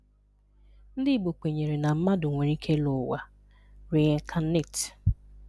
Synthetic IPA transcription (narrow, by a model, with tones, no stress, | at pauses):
n̩˦dɪ˦˨ɡ͡bo˨k͡pe˨ɲe˨ɾe˨na˨m̩˦ma˦dʊ˨ŋʷe˨ɾi˦kʰe˦lʊ˨wa˨ | ɾi˨e˨ŋ˨kʰa˨n˦ne˦˨t